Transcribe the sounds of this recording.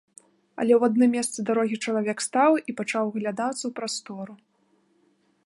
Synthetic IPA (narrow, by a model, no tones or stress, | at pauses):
ɐ̰lʲɛwad̪nɨmʲːɛst̪sɨd̪aɾɔɣʲit͡ʂɐlˠavʲɛkst̪awipat͡ʂawɣlʲad̪at̪sːɐwpɾast̪ɔɾu